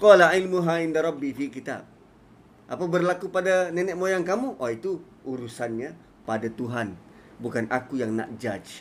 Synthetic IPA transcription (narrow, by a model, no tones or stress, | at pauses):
qɔlailmuɦaindaɾˤɑbːifikit̪a̰b̚ | ʔapabərlakupadanɛnɛʔ̚mojaŋkamuʔait̪u | ʔuɾusanɲa | padat̪uɦan | bukanʔakujaŋna̰ʔd͡ʒad͡ʒ